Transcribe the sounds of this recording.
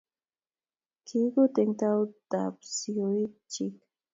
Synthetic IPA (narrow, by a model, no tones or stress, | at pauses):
kikʊt̪ɪŋt̪awt̪apsʊjt͡ʃɪk̚